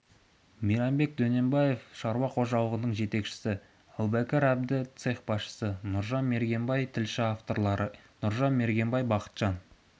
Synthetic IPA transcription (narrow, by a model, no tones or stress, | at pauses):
mijɾɑmbe̞k̚d̪ɵne̞mbɑje̞fʃɑɾwɑqʰo̞ʒɑlˠəʁənəɴʒe̞t̪e̞kʃɪ̥sɪ | ælˠbækʲeɾæb̚d̪ɪt̪seχbɑsʃə̥sənʊɾʒɑnme̞ɾɡʲe̞mbɑjt̪ʰɪlʃɪaft̪o̞ɾlˠɑɾənʊɾʒɑnme̞ɾɡʲe̞mbɑjbɑqə̥t̪ʒ̥ɑn